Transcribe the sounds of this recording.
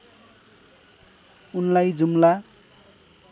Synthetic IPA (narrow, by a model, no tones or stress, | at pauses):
unlajd͡zumla